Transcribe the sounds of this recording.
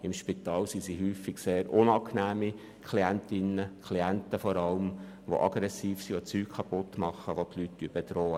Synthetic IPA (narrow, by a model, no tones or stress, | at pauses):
ɪmʃpit̪ɑːlsisiɦyːfɪɡseːɾʊnɑknæːmi | kʰliænt̪ɪnəkʰliænt̪əfɔɾɑlm | ʋo̰ʔɑ̰ɡɾɛsiːfsiot͡syːkkʰɑpʊt̪ːmɑχːəʋot̪ʰlyt̚d̥yːb̥et̪rɔːə